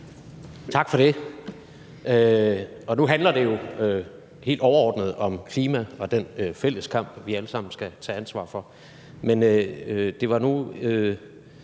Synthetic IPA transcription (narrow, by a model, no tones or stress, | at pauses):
t͡sʰɑ̈ɡ̥fɒ̽ɾ̥e̝ | ø | ɒ̽nuɦænlɐd̥e̝jo̝ø | he̝̰ːld̥ɒʊɐɒ̰ːd̥nəð̞̩ˠɒ̽mkʰliːmæɒ̽d̥enfel̰əskʰɑ̈m̰b̥ʋiæləsɑ̈m̰n̩sɡ̥æt͡sʰɛ̰ːænsʋɑ̰̈ːfɒ̽ | menød̥e̝ʋɑ̈nuø